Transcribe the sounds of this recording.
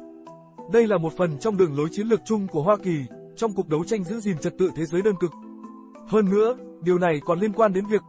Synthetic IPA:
ɗə˧jlaː˨˩mo˨˩t̚fə˨˩nt͡ɕɔ˧wŋ͡mɗɨ̰˧˩əŋlo˨˦jt͡ɕi˨˦ənlɨ˨˩k̚t͡ɕʊ˧ŋ͡mku˧˩əɦwaː˧ki˨˩ | t͡ɕɔ˧wŋ͡mku˨˩k̚ɗə˨˦wt͡ɕa˧jŋ̟zɨ̰˧˥zi˨˩mt͡ɕə˨˩t̚t̪ɨ̰˧˨t̪ʰe˨˦zəː˨˦jɗəː˧nkɨ˨˩k̚ | həː˧nːɨ̰˧˥əɗi˨˩əwna˨˩jkɔ˨˩nli˧ənkwaː˧nɗe˨˦nvi˨˩ək̚

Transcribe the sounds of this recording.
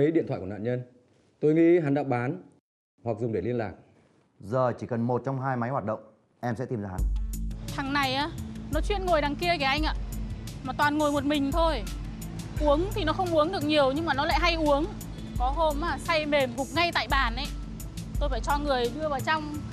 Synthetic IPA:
ə˨˦jḭ˧˨nt̪ʰwa̰ː˧˨kn̰ː˧˨ɲə˧n | t̪o˧jŋḭ˧˥ɦa˨˦nɗa̰ː˧˥w̚ɓaː˨˦n | hwa˨˩k̚zʊ˨˩ŋ͡mɗe˧˩li˧ənla̰ː˨˩k̚ | zəː˨˩t͡ɕi˧˩kə˨˩nmo˨˩t̚t͡ɕɔ˧wŋ͡mɦaː˧jma˨˦jhwaː˨˩t̚ɗə̰˧˨wŋ͡m | ʔɛ˧msɛ̰˧˥t̪i˧˩mzaː˧ha˨˦t̪ʰa˨˩ŋna˨˩jʔaː˨˦nɔ˨˦t͡ɕwi˧ənŋo˨˩jɗaː˨˩ŋki˧əkaː˧˩ʔa˧jŋ̟ʔa̰ː˧˨maː˨˩t̪waː˨˩nŋo˨˩jmo˨˩t̚mï˨˩ŋ̟t̪ʰo˧j | ʔu˨˦əŋt̪ʰi˨˩nɔ˨˦xə˧wŋ͡mʔu˨˦əŋɗɨ˨˩ək̚ɲi˨˩əwɲɨ˧ŋmaː˨˩nɔ˨˦la̰ː˧˨ɦa˧jʔu˨˦əŋ | kɔ˨˦ɦo˧maː˨˩sa˧jme˨˩mvʊ˨˩k͡p̚ŋa˧jt̪a̰ː˧˨jɓaː˨˩nʔə˨˩˦ | t̪o˧jfaː˧˩jt͡ɕɔ˧ŋɨ˨˩əjɗɨ˧əvaː˨˩wt͡ɕɔ˧wŋ͡m

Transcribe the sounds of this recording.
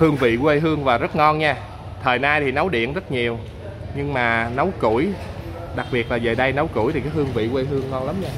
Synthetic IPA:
hɨ˧əŋvḭ˧˨kə˧ɦɨ˧əŋvaː˨˩zə˦˥t̚ŋɔ˧nɲaː˧ | t̪ʰəː˨˩jnaː˧jt̪ʰi˨˩nə˨˦wɗḭ˧˨ənzə˦˥t̚ɲi˨˩əw | ɲɨ˧ŋmaː˨˩nə˨˦wkṵ˧˩əj | ɗa˨˩k̚ɓi˨˩ət̚laː˨˩zəː˨˩ɗə˧jnə˨˦wkṵ˧˩˨jt̪ʰi˨˩kaː˨˦jhɨ˧əŋvḭ˧˨kʷə˧ɦɨ˧əŋːɔ˧nla˨˦mɲaː˧

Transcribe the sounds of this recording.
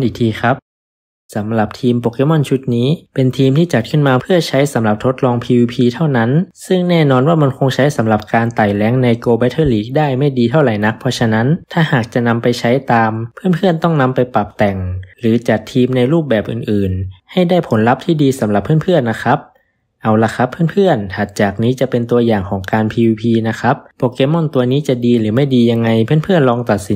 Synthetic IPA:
nʔiː˨˩t̪ʰiː˧xʰa˦˥p̚ | sa˩˦mla˨˩p̚t̪ʰiː˧mpoː˨˩ke˧˥mɔ˧˥˩nt͡ɕʰu˦˥t̪̚niː˦˥pe˧nt̪ʰiː˧mt̪ʰiː˥˩t͡ɕa˨˩t̪̚kʰɯ˥˩nmaː˧pʰɯ˥˩ɐt͡ɕʰa˦˥jsa˩˦mla˨˩p̚t̪ʰo˦˥t̪̚lɔː˧ŋpʰiː˧wiː˧pʰiː˧t̪ʰa˥˩wna˦˥nsɯ˥˩ŋnɛː˥˩nɔː˧nwaː˥˩ma˧nkʰo˧ŋt͡ɕʰa˦˥jsa˩˦mla˨˩p̚kaː˧nt̪aː˨˩jlɛː˦˥ŋna˧jkoː˧ba˧˦t̪ʰɤː˧˥˩liː˦˥˩k̚daː˥˩jma˥˩jdiː˧t̪ʰa˥˩wɾla˨˩˦jna˦˥k̚pʰɔː˧˥t͡ɕʰa˧na˦˥nt̪ʰaː˥˩haː˨˩k̚t͡ɕa˨˩ʔna˧mpa˧jt͡ɕʰa˦˥jt̪aː˧mpʰɯ˥˩ənpʰɯ˥˩ənt̪ɔ˥˩ŋna˧mpa˧jpa˨˩p̚t̪ɛ˨˩ŋɾɯː˩˦t͡ɕa˨˩t̪ʰːiː˧mna˧jɾuː˥˩p̚bɛː˨˩p̚ʔɯː˨˩nʔɯː˨˩nha˥˩jdaː˥˩jpʰo˩˦nla˦˥p̚t̪ʰiː˥˩diː˧sa˩˦mla˨˩pʰːɯ˥ənpʰɯ˥˩ənːa˦˥kʰa˦˥p̚ | ʔa˧wla˧˥xʰa˦˥pʰːɯ˥˨npʰɯ˥˩ənhaː˨˩t̪̚t͡ɕaː˨˩k̚niː˦˥t͡ɕa˨˩pe˧nt̪u˧ɐjaː˨˩ŋkʰɔː˩˦ŋkaː˧npʰiː˧wiː˧pʰiː˧na˦˥kʰa˦˥p̚ːɔː˧˩keː˧˥mːɔ˥˩nt̪u˧ɐniː˦˥t͡ɕa˨˩ʔdiː˧ɾɯː˩˦ma˥˩jdiː˧ja˧ŋːa˧jpʰɯ˥˩˨npʰɯ˥˩ənlɔː˧ŋt̪a˨˩t̪̚si˨˦

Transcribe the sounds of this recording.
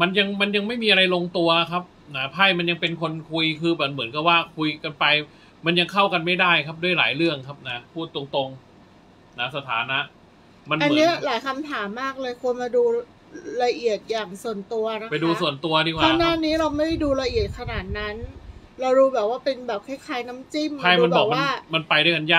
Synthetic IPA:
ma˧nja˧ŋma˧nja˧ŋma˥˩jmiː˧ʔa˧ɾa˧jlo˧ŋt̪u˧ɐkʰa˦˥p̚ | na˦˥pʰa˥˩jma˧nja˧ŋpe˧nkʰo˧nkʰu˧jkʰɯː˧bɛː˨˩p̚mɯ˩˦ənka˧˩p̚waː˥˩kʰu˧jka˧npa˧j | ma˧nja˧ŋkʰa˥˩wka˧nma˥˩jdaː˥˩jkʰa˦˥p̚du˥˩əjla̰ː˩˦jɾɯ˥˩əŋkʰa˦˥p̚na˦˥pʰuː˥˩t̪ːu˧ə˧ŋt̪o˧ŋ | na˦˥sa˧t̪ʰa̰ː˩˦na˦˥ʔ | ma˧nʔa˧nː˨˦i˦˥ɐlaː˩˦jkʰa˧mt̪ʰaː˩˦mːaː˥˩k̚lɤː˧jkʰu˧ənmaː˧duː˧ | ɾa˧ʔi˨˩ət̪̚jaː˨˩ŋsu˨˩ənt̪u˧ɐna˦˥pa˧jduː˧su˨˩ənt̪u˧ɐtʰiː˥˩waaː˥˩naː˥˩niː˦˥ɾa˧wma˥˩da˥˩jduː˧la˧ʔi˨˩ə˩t̪̚kʰa˧naː˨˩t̪̚na˦˥n | ɾa˧wɾuː˦˥bɛː˨˩p̚waː˥˩pe˧nbɛː˨˩p̚kʰaː˦˥˩jkʰaː˨˥jna˦˥mt͡ɕi˥˩mkʰa˥˩˧ma˧nbɛɔː˨˩mwa˧n˥˩ma˧npa˧jdaː˥˩jka˧njaː˥˩k̚

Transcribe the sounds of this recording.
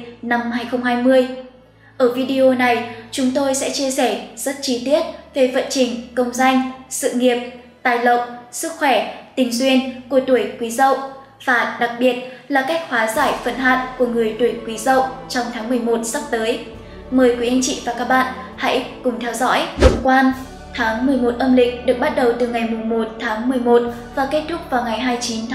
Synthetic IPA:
na˧mhaː˧jxə˧wŋ͡mhaː˧jmɨ˧əj | ʔəː˧˩vi˧ɗi˧ʔo˧na˨˩jt͡ɕʊ˨˦ŋ͡mt̪o˧jsɛ̰˧˥t͡ɕi˧əsɛ˧˩z̥ə˦˥t̚t͡ɕi˧t̪i˦˥ət̚ve˨˩fə̰˧˨nt͡ɕï˨˩ŋ̟kə˧wŋ͡mza˧jŋ̟sɨ̰˧˨ŋi˨˩əp̚ | t̪aː˨˩jlə̰˧˨wsɨ˦˥k̚xwɛ˧˩t̪ï˨˩ŋ̟zwi˧ənku˧˩ət̪u˧˩əjkwi˨˦zə̰˧˨w | v̥aː˨˩ɗa˨˩k̚ɓi˨˩ət̚laː˨˩ka˦˥jk̟̚hwaː˨˦zaː˧˩jfə̰˧˨nɦa̰ː˧˨tku˧˩əŋɨ˨˩əjt̪u˧˩jkwi˨˦zə̰˧˨wt͡ɕɔ˧wŋ͡mt̪ʰaː˨˦ŋmɨ˨˩əjmo˨˩t̚sa˦˥p̚t̪əː˨˦j | məː˨˩jkwi˨˦ʔə˧nt͡ɕḭ˧˨vaː˨˩kaː˦˥k̚ɓa̰ː˧˨nha̰˧˥jkʊ˨˩ŋ͡mt̪ʰɛ˧wzɔ̰˧˥jkwaː˧n | t̪ʰaː˨˦ŋmɨ˨˩əjmo˨˩t̚ʔə˧mlï˧˨ŋ̟̚ɗɨ˨˩ək̚ɓa˦˥t̚ɗə˨˩wt̪ɨ˨˩ŋa˨˩jmʊ˨˩ŋ͡mmo˨˩t̚t̪ʰaː˨˦ŋmɨ˨˩əjmo˨˩t̚ | vaː˨˩ke˦˥t̚t̪ʰʊ˦˥k̚vaː˨˩wŋa˨˩jɦaː˧jt͡ɕi˨˦nt̪ʰː

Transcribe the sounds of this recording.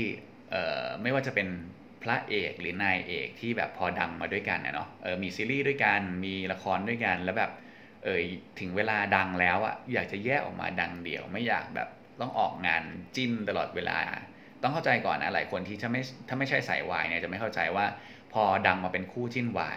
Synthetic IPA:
t̪ʰiː˥˩ | ʔɤ̰ː˨˩ma˥˩jwaː˥˩t͡ɕa˨˩pe˧n | pʰɾa˦˥ʔeː˨˩k̚ɾɯː˩˦naː˧jʔḛː˨˩k̚t̪ʰiː˥˩bɛ̰ː˨˩pʰːɔː˧da˧ŋmaː˧du˥˩əjka̰˧nʔa̰˧˥˩nɔ̰˦˥ʔɤː˨˩miː˧siː˧˦liː˥˩du˥˩əjka˧nmiː˧la˧kʰɔː˧ndu˥˩əjka˧nlɛ˦˥wbɛː˨˩p̚ | ʔɤː˨˩t̪ʰɯ˩˦ŋweː˧laː˧da˧ŋlɛː˦˥wʔa̰˨˩jaː˨˩k̚t͡ɕa˨˩jɛː˥˩ʔɔ̰ː˨˩k̚mʔa̰ː˧da˧ŋdi˧əwma˥˩jːa̰ː˨˩k̚bɛ̰ː˨˩p̚ | t̪ɔ˥˩ŋʔɔ̰ː˨˩k̚ŋaː˧nt͡ɕi˥˩nt̪a˧lɔː˨˩t̪̚weː˧lʔa̰ː˧ | t̪ɔ˥˩ŋkʰa˥˩wt͡ɕa˧jkɔ̰ː˨˩nːa˦˥la̰ː˨˦jkʰo˧nt̪ʰiː˥˩aː˥˩ma˥˩jt̪ʰaː˥˩ma˥˩jt͡ɕʰa˥˩jsa̰˩˦jwaː˧jni˧˥˩t͡ɕa˨˩ma˥˩jkʰwt͡ɕa̰˧jwaː˥˩ | pʰɔː˧da˧ŋmaː˧pe˧nkʰuː˥˩t͡ɕi˥˩nwa̰ː˧

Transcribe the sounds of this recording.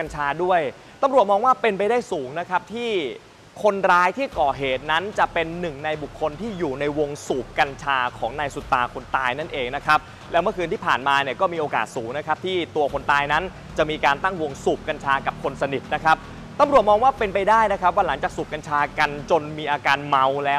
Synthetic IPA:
nt͡ɕʰaː˧du˥˩əj | t̪a˧mɾu˨˩ət̪̚mɔː˧ŋwaː˥˩pe˧npa˧jdaː˥˩jsuː˩˦ŋna˦˥kʰa˦˥p̚t̪ʰiː˥˩ | kʰo˧nɾaː˦˥jt̪ʰiː˥˩kɔː˨˩ɦeː˨˩t̪̚na˦˥nt͡ɕa˨˩pe˧nːɯ˨˩ŋna˧jbu˨˩kʰːo˧nt̪ʰiː˥˩juː˨˩na˧jwo˧ŋsuː˨˩p̚ka˧nt͡ɕʰaː˧kʰɔː˩˦ŋnaː˧jsu˨˩t̪ːa̰ː˨˧kʰo˧nt̪aː˧jna˥˩nʔeː˧ŋna˦˥kʰa˦˥p̚ | lɛː˦˥wmɯ˥˩əkɯː˧nt̪ʰiː˥˩pʰaː˨˩nmaː˧ni˥˩ɐkɔː˥˩miː˧ʔoː˧ka̰ː˨˩t̪̚suː˩˦ŋna˦˥kʰa˦˥p̚t̪ʰiː˥˩t̪u˧ɐkʰo˧nt̪aː˧jna˦˥n | t͡ɕa˨˩miː˧kaː˧nt̪a˥˩ŋwo˧ŋsuː˨˩p̚ka˧nt͡ɕʰaː˧ka˨˩p̚kʰo˧nsa˧ni˨˩t̪̚na˦˥kʰa˦˥p̚ | t̪a˧mɾu˨˩ət̪̚mɔː˧ŋwaː˥˩pe˧npa˧jdaː˥˩jna˦˥kʰɾa˦˥p̚waː˥˩la˩˦ŋt͡ɕaː˨˩k̚suː˨˩p̚ka˧nt͡ɕʰaː˧ka˧nt͡ɕo˧nmiː˧ʔaː˧kaː˧nma˧wlɛː˦˥w

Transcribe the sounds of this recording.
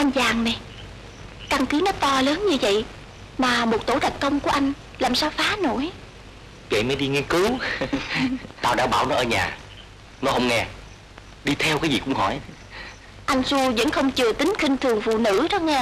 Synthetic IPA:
ʔa˧jŋzaː˨˩ŋnɛ˨˩j | ka˧ŋkɨ˨˦nɔ˨˦t̪ɔ˧ləː˨˦nɲɨ˧və̰˧˨j | maː˨˩mo˨˩t̚t̪o˧˥˦ɗə˨˩t̚kə˧wŋ͡mku˧˩əʔa˧jŋ̟ | laː˨˩msaː˧wfaː˨˦no˧˩j | və̰˧˨jmə˨˦jɗi˧ŋɛ˧kɨ˨˦w | t̪aː˧wɗa̰ː˧˥ɓaː˧˩wnɔ˨˦ʔəː˧ɲa̰ː˨˩ | nɔ˨˦hə˧wŋ͡mŋɛ˧ | ɗi˧t̪ʰɛ˧wkaː˨˦jzi˨˩kʊ̰˧˥ŋ͡mhɔ˧˩j | ʔa˧jŋ̟su˧və̰˧˥nxə˧wŋ͡mt͡ɕɨ˨˩ət̪ï˨˦ŋ̟xï˧ŋ̟t̪ʰɨ˨˩əŋvṵ˧˨nɨ̰˧˥ɗɔ˨˦ŋɛ˧

